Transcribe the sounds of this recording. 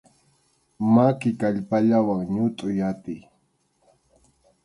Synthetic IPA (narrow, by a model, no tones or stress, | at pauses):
makɪkaʎpaʎawaŋɲʊt̪ʼʊjat̪ɪj